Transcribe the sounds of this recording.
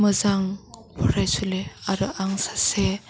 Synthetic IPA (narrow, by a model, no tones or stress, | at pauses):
mɯzaŋ | pʰɔɾajsuleaɾɯʔaŋsḁse